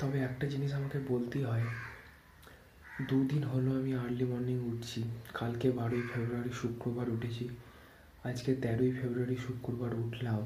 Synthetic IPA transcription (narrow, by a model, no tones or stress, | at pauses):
t̪ɔbeɛk̚ʈad͡ʑiniʃamakebolt̪iɦɔe | d̪ud̪inɦoloamiaɾlimɔɾniŋuʈ̚ʰt͡ɕʰikalkebaɾoifʰebɾuaɾiʃukɾobaɾuʈʰet͡ɕʰi | ad͡ʑket̪ɛɾoifebɾuaɾiʃukɾobaɾuʈʰlao